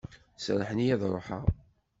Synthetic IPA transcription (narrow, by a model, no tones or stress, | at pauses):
sɾˤəħənjæðɾˤoħə̰